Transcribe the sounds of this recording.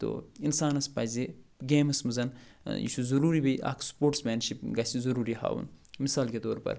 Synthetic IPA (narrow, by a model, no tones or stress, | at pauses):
t̪o̰insaːnɐspaːzeɡeːmɐsmuzɐnjḭʃuzɐɾuːɾibɐjʔa̰kʰspoːʈsmɐːnʃipɡɐsizɐɾuːɾiha̰ːwṵnmisaːlkʲet̪oːɾpɐ̰ɾ